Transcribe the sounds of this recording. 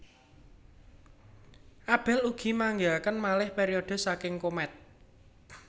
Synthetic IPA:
ʔab̥ɛ̤luɡ̥i̤maŋɡeakənmalɪhpeɾiod̥ə̤sakɪŋkomɛt̪̚

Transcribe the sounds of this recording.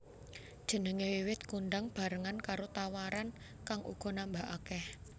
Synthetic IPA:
d̥ʒ̥ə̤nəŋewiwɪt̪kuɳɖaŋb̥a̤ɾəŋankaɾot̪awaɾan | kaŋʔṵɡ̥ɔ̤nambaʔakɛh

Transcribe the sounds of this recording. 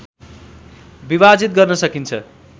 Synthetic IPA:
bibad͡zit̪̚ɡʌrnʌsʌkint͡sʰʌ̰

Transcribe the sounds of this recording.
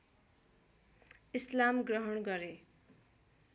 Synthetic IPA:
islamɡrʌɦʌɳɡʌɾe

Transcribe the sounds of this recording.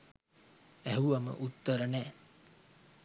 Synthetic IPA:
æɦuʋamə̰ʔut̪ːəɾənæː

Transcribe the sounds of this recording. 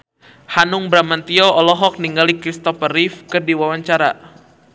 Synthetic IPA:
hanʊŋbɾamant̪iɔɔlɔɦɔk̚niŋɡalikɾist̪ɔfərifkərdiwawaɲt͡ʃaɾa̰

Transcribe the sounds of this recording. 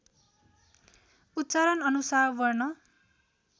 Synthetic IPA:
ut̪ːt͡saɾʌnʌnusaɾbʌrnʌ

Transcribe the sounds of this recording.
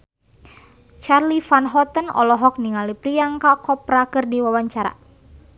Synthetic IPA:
t͡ʃarlifanɦɔt̪ənɔ̰lɔɦɔk̚niŋalipɾiaŋkakɔpɾakɨrdiwawaɲt͡ʃaɾa̰

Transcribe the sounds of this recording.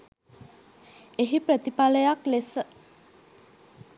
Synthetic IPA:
eɦipɾət̪ipaləjaklesə

